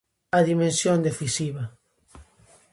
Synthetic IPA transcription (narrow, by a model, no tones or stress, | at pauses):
aðimẽnsjond̪efisiβa